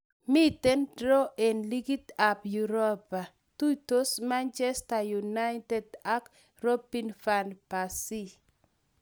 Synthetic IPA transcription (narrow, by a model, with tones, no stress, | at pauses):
mi˦tɛ˦ndɾɔ˦ʔe˨nli˦ɡi˦ta˨pju˨ɾo˦pa˨ | tu˦to˦sma˦nt͡ʃɛ˦sta˨juna˦jtɛdak | ro˦pinfanpasi˦